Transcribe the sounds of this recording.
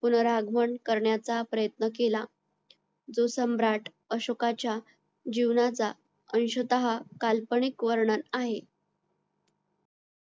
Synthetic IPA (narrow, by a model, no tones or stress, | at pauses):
punəɾaɡʱməɳkəɾɳjat͡sapɾəjət̪nək̬ela | d͡zosəmbɾaʈʰ | əɕokat͡ɕja | d͡ʑiʋnat͡sa | əñɕət̪əɦakalpəɳikʋəɾɳənaɦe